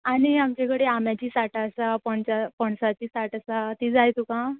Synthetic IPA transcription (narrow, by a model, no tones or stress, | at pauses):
aɽ̃iamt͡ɕakəɽeamjat͡ɕiːsaʈasapəɳt͡ɕapɔɳsat͡ɕiːsaʈasat̪iːd͡zajt̪ukã